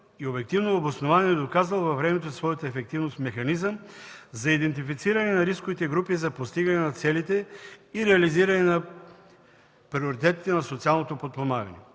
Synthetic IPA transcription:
iobɛk̚t̪ivnoɐbosnovaniɛd̪okazvəlˠvɐvɾɛmɛt̪osvɔjət̪əɛfɛk̚t̪ivnost̪mɛxɐnizəmzɐid̪ɛnt̪̬ifit̪siɾɐnɛnɐɾiskovit̪ɛɡɾupizɐpost̪iɡɐnɛnɐt̪sɛlit̪ɛiɾɛɐliziɾɐnɛnɐ | pɾioɾit̪ɛt̪it̪ɛnɐsot̪sialˠnot̪opot̪̚pˠomaɡɐnɛ

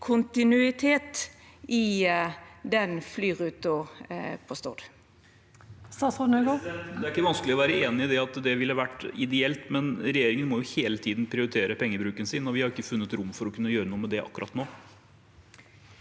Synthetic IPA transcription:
kʰʊnt̪ɪnʉɪt̪ʰeːt̪ɪ | d̪ɛnflyːʁʉːt̪ʊpʰɔst̪o̰ːd̪ | sɑsɔn̩øɡod̪ɛæɾɪkːəʋɑnsklɪɔʋæːɾəeːnɪɪd̪ɛɑt̪d̪ɛʋɪlːhɑʋæʈːɪd̪ɛɛlt̪mɛnɾɛjeːɾɪŋənmɔjʊheːlət̪ʰiːd̪n̩pʰɾɪʊɾɪt̪ʰeːɾəpʰɛŋːəbɾʉːkənsɪnːɔʋɪhɑɾɪkːəfʉnːət̪ɾʊmːfɔɾɔkʰʉnːəjøːɾənuːəmɛd̪ɛʔɑ̰kːʉɾʔɑ̰t̪noː

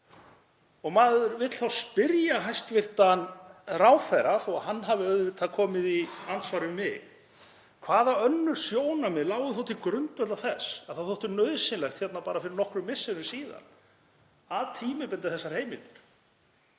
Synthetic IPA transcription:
ɔɣmaːðʏɾvɪt̪θawspɪɾjaɦajst̪vɪr̥t̪anraːwfɛɾaθɔaɣɦanːɦavɪœðvɪt̪ʰakʰɔːmɪðiansvaːɾʏmɪ | kʰvaːðaœnːʏɾ̥sjoːwnamɪlaːwɣʏθɔwt̪ʰɪlkɾʏnt̪vɛt̪lavθɛsaðθawθɔwht̪ʏɾnœɥðsɪnlɛjxt̪çjɛt̪napaːɾafɪɾɪɾnɔhkɾʏmɪsːɪnʏsiːða̰n | avt̪ʰiːmɪpɛnt̪ɪθɛsːaɾ̥hejmɪlt̪ɪɾ̥

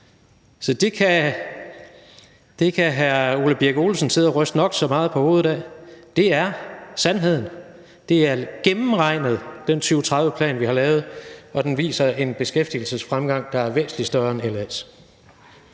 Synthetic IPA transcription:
sɒ̽d̥e̝kʰæ | d̥e̝kʰæɦæɐuləb̥iɐɡ̥o̝ːlsən̩sʰe̝ðˠɒʁœsd̥nɒ̽ɡ̥sɒ̽mɑ̈ːð̞̩ˠpʰɒho̝ːð̩ˠdɛ̰d̥e̝æɐsænɦe̝ð̰ˠn̩ | d̥e̝æɐɡ̥emm̩ʁɑ̈ɪ̰nəð̞̩ˠd̥ent͡sʰyʊt͡sʰʁɑ̈ðˠʋəpʰlɛ̰ːnʋihɑ̈lɛːʊð̞̩ˠɒ̽d̥enʋḭːsɐe̝nb̥e̝sɡ̥efd̥il̩səsfʁamɡ̥ɑ̈ŋ̰d̥ɑ̈æɐʋesd̥lisd̥ɶɐnelæs

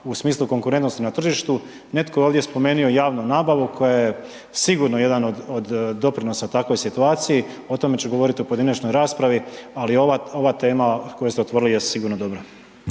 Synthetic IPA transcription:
usmiːslˠuko̞ŋkuɾe̞nt̪no̞st̪inat̪r̩ʒiʃt̪u | ne̞t̪kooːʋd̪jespo̞me̞ːnio̞jaːʋnunaːbaʋukʰo̞jaje | siɡuːɾnoje̞d̪anod̪od̪ːo̞pɾino̞sat̪akʋo̞jsit̪uaːt̪siji | o̞t̪o̞me̞t͡ɕeɡo̞ʋo̞ɾit̪iupojed̪inet͡ʃno̞jɾaːspɾaʋialioʋao̞ʋat̪e̞ːmako̞jest̪eot̪ʋo̞ɾilijessiɡuːɾnod̪o̞bɾa

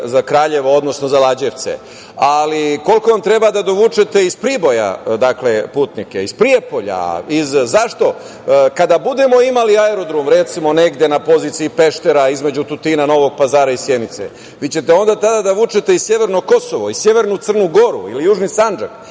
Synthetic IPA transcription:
zakɾaːʎe̞ʋood̪no̞sno̞zalˠad͡ʑeʋt̪sḛ | aliko̞lko̞ʋamt̪ɾe̞bad̪ad̪o̞ʋuːt͡ʂe̞t̪e̞ispɾibo̞ja̰d̪akle̞puːt̪nike̞ispɾije̞po̞ʎa̰izzaʃt̪o̞ | kad̪abud̪e̞mo̞imaliaeɾo̞d̪ɾomɾe̞t̪simo̞ne̞ɡd̪jenapo̞zit̪siipe̞ʃt̪eɾaizme̞d͡ʑut̪ut̪inano̞ʋo̞ɡ̚pazaːɾaisjenit̪sḛ | ʋit͡ɕe̞t̪eo̞nd̪at̪ad̪ad̪aʋuːt͡ʃet̪eissje̞ʋe̞ɾno̞ko̞so̞ʋoisje̞ʋe̞ɾnut̪sr̩nuɡo̞ɾṵḭlijuːʒnisand͡ʒak

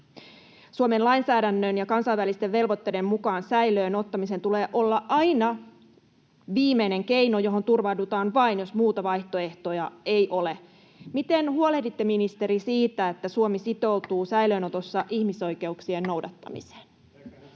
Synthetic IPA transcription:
suome̞nlɑinsæːdænːønjɑkɑnsɑjʋʋælist̪eʋʋe̞lʋo̞t̪ːe̞de̞mːukɑːnsæiløːno̞t̪ːɑmis̬e̞nt̪ule̞ːʔo̞lːɑʔɑjnɑ | ʋiːmeine̞ŋke̞jnojo̞ɦo̞nt̪urʋɑdut̪ɑːnʋɑinjo̞smuːt̪ɑʋɑjht̪o̞e̞ht̪o̞jɑejʔo̞le | mit̪e̞nhuolehdit̪ːe̞minist̪e̞ɾisiːt̪æet̪ːæsuomisit̪o̞wt̪uːsæjlø̞ːno̞t̪o̞sːɑʔihmiso̞jke̞uksie̞nːo̞wdɑt̪ːɑ̰mḭse̥ːn

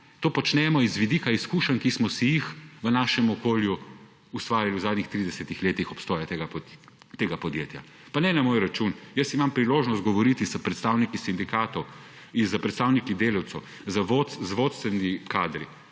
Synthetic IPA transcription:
t̪oːpɔt͡ʃnɛmɔizʋid̪ikaiskuːʃənkismɔsijixʋənaːʃɛmɔkoːlju | ust̪ʋaːɾjiliwzaːd̪nixt̪ɾid̪ɛsɛt̪ixleːt̪ixɔpst̪ɔːjat̪eɡ | t̪eːɡapɔd̪jḛːt̪ja̰ | panɛnamoːjɾat͡ʃunjəsimampɾiloːʒnɔst̪̚ɡɔʋɔɾit̪izɐpɾɛt̪st̪awnikisind̪ikaːt̪ɔw | inzɐpɾɛt̪st̪aːwnikid̪eːlɐwt̪sɛw | zɐʋot̪zʋoːt̪st̪ʋɛnikaːd̪ɾḭ

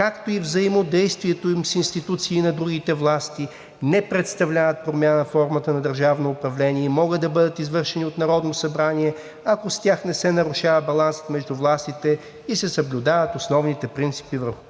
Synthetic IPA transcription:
kakt̪oivzɐimod̪ɛjst̪viɛt̪oimsinst̪it̪ut̪siːnɐd̪ɾuɡit̪ɛvlˠast̪i | nɛpɾɛt̪st̪ɐvlʲavət̪̚pɾomʲjanəfɔɾmət̪ənɐd̪əɾʒavnoːpɾɐvlɛniɛimɔɡəd̪ɐbɤd̪ət̪izvɤɾʃɛniot̪nɐɾɔd̪nosɐbɾaniɛ | ɐkost̪ʲjaxnɛsɛnɐɾuʃavɐbɐlˠansə̥t̪mɛʒd̪uvlˠast̪it̪ɛ | isɛsɐblʲʊd̪avət̪osnɔvnit̪ɛpɾint̪si̥pivəɾxʊ

